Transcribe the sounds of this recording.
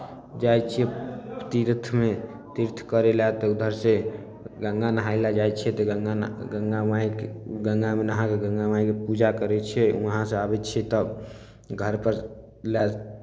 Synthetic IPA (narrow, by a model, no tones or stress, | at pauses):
d͡ʒat͡ʃʰiɛt̪iɾt̪ʰme | t̪iɾt̪ʰkəɾelat̪ɔud̪ʱəɾse | ɡə̃ŋɡanəɦailad͡ʒajt͡ʃʰɛt̪ɔɡəŋɡaɡəŋɡamaikɡəŋɡamenəɦãkeɡə̃ŋɡamaikepud͡ʒakəɾɛt͡ʃʰɛuɦãseabɛtːt͡ʃʰɛt̪ɔb | ɡʱəɾpəɾ | lɛ